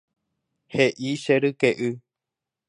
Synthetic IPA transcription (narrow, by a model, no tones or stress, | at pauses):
heʔiʃeɾɨkeʔɨ